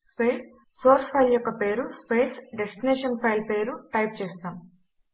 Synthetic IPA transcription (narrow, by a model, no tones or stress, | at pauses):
speːs | soːɾspʰɐjljɔkːɐpeːɾuspeːsɖesʈineːʂɐnpʰɐjlpe̞ːɾuʈɐjp̚t͡ʃeːst̪aːm